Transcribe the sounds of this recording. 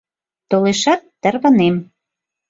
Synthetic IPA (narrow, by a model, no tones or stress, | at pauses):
t̪oleʃɑt̪ːə̆rβɑnem